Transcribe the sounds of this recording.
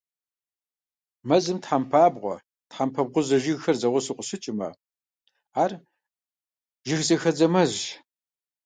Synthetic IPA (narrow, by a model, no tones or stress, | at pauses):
mɐzɨmtħampʰaːbʁʷɔ̰ | tħampʰɐb̚ʁʷʊzɐʒɪɣxɐrzɐʁʷʊsɨqʷʼʊɕɪt͡ʃʼɪmɐ̰ | aːr | ʒɪxzɐxɐd͡zɐmɐzʒ